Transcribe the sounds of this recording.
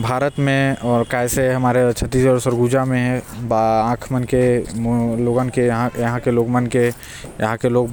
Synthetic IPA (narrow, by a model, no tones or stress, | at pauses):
bʱaːɾət̪mẽɔːɾkaɪseɦɐmaːɾet͡ʃʰət̪isɔɾsəɾɡud͡ʒamẽɦɛ̃baãːkʰmənke | loːɡankeɦãjəɦãkeloːɡmənke | jəɦãkeloːɡ